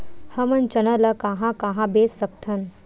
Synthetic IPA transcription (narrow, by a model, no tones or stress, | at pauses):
hɐmɐnt͡ʃɐnɐlɐkaɦãkaːɦãbesɐk̚t̪ʰɐn